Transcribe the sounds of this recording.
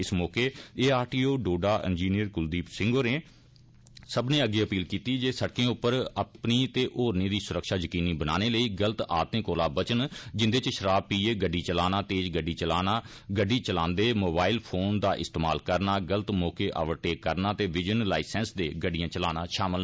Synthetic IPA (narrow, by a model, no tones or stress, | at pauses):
ɪsmɔːkeːeːaːʈiːoːɖoːɖaːʔɛ̰̃ːnd͡ʒiːnijəɾkʊld̪iːpsɪ̃ŋɡoɾẽː | səbnẽːəɡeːəpiːlkiːt̪iːd͡ʒeːsəɽkẽːʊpːəɾəpniːt̪eːʔoːɾnĩːd̪iːsʊɾəkʃaːzəkiːniːbəna̰ːneːləiːɡələt̪a̰ːt̪ẽːkoːlaːbət͡ʃənd͡ʒɪnd̪eːt͡ʃʃəɾaːb̚piːeːɡəɖːiːt͡ʃəlaːnaːt̪eːt͡ʃɡəɖːiːt͡ʃəlaːnaː | ɡəɖːiːt͡ʃəlãːnd̪eːmoːbaːɪlpʰoːnd̪aːʔɪ̰st̪eːmaːlkəɾnaːɡələt̪mɔːkeːʔa̰ːʋəɾʈeːkːəɾnaːt̪eːʋɪd͡ʒənlaːisɛ̃ːnsd̪eːɡəɖːijãːt͡ʃəlaːnaːʃaːməl